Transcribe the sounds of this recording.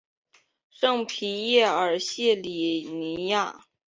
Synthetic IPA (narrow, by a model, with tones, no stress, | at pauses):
ʂɤ˥˧ŋpʰi˧˥jɛ˥˩ə˞˨˩ɕjɛ˥˩li˨˩ni˧˥ja˥˩